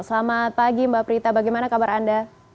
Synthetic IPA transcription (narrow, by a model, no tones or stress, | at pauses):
səlamapaɡimbaapəɾit̪abaɡajmanakabaɾanda